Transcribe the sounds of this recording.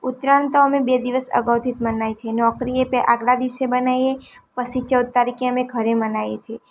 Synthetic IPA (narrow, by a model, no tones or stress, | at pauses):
ut̪ɾant̪oəmebed̪iʋəsə̰ɡəʋt̪ʰit̪mənajt͡ʃʰenɔkɾiepʔa̰ɡɽad̪iʋsebənaje | pət͡ʃʰit͡ʃəwd̪̚t̪aɾikeəmeɡʱəɾemənajḛt͡ʃʰe